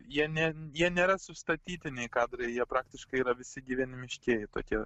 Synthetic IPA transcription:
jiɛnʲɛjiɛnʲeːɾɐsʊst̪ɐt̪ʲiːt̪ʲɪnʲɛɪkɑːd̪ɾɐɪjiɛpɾɑːkt̪ʲɪʃkɐɪiːɾɐʋʲɪsʲɪɡʲiʋʲinʲɪmʲɪʃʲkʲeɛjɪt̪o̰ːkʲiɛ

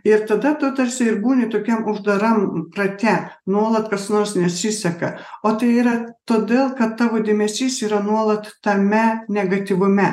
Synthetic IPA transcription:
ɪɾt̪ɐd̪ɐt̪ɐt̪ɐɾʲsʲɪɪɾbuːnʲɪt̪oːkʲɛmʊʒd̪ɐɾɐmprɐt̪ʲɛnuɔlˠɐt̪kɐsnoːɾsnʲɛɐtsʲɪsʲɛkɐoːt̪ɐɪiːɾɐt̪oːd̪ʲeːlˠkɐt̪t̪ːɑːʋoːd̪ʲeːmʲɛsʲiːsiːɾɐnuɔlˠɐt̪t̪ɐmʲɛnʲɛɡɐt̪ʲɪʋʊmʲɛ

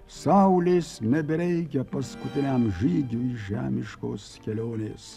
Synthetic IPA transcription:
sɐʊlʲɪsnʲɛbʲɪɾʲɛɪk̬ʲɛpɐskʊt̪ʲɪnʲɛmʒiːɡʲuiʒʲæ̰ːmʲɪʃkoːskʲɛlʲoːnʲeːs

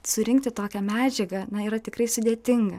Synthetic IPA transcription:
sʊɾʲɪŋkt̪ʲɪt̪oːkʲɛmʲæːd͡ʒʲɛɡɐnɐiːɾɐt̪ʲɪkɾɐɪsʊd̪ʲeːt̪ʲɪŋɡɐ

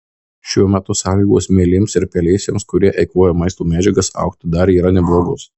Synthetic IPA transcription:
ʃʲuɔmʲæt̪ʊsɑːlʲiːɡoːsmʲeːlʲɪmsɪɾpʲɛlʲɛɪsʲeːmskʊɾʲiɛʔɛɪkuɔjɛmɐɪst̪oːmʲæːd͡ʒʲɛɡɐsɐ̰ʊkt̪ʲd̪ɐɾiːɾɐnʲɛblˠoːɡʊs

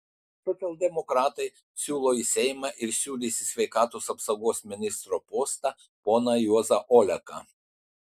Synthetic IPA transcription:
sɔt̪sʲɛlˠʲd̪ʲɛmɔkɾɑːt̪ɐɪ | sʲuːlˠoːisʲɛɪmɑʔɪɾsʲuːlʲiːsʲɪsʲʋʲɛɪkɑːt̪oːsɐpsɐɡoːsmʲɪnʲɪst̪ɾoːpoːst̪ɑ | poːnɐjuɔzɐʔɔːlʲɛkɑ̰

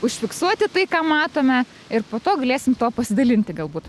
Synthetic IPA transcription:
ʊʃʲfʲɪksuɔt̪ʲɪt̪ɐɪkɑːmɑːt̪oːmʲɛ | ɪrpoːt̪oːɡɐlʲeːsʲɪmt̪oːpɐsʲɪd̪ɐlʲɪnʲt̪ʲɪɡɐlˠbuːt̪

